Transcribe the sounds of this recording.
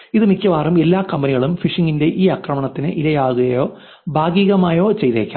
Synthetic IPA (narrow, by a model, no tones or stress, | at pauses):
iðɨmikʲːɐʋaːrume̞lːaːkɐmbɐniɣɐɭumfiʂiŋɡinde̞ʔiːɐkrɐmɐɳɐt̪ːinɨʔilɐjaːɣuɣɐjo̞ː | bʱaːɡiːɣɐmaːjo̞ːt͡ɕe̞jt̪eːkʲːa̰ː